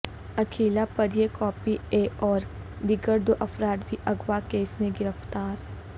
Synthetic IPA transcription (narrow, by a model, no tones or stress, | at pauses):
ɐkʰeːlapɐɾjekɔːpieːɔːɾ | d̪ɪɡəɾd̪oʔɐfɾaːd̪bʱiʔɐɡwakeːsmẽɡɪɾəft̪aːɾ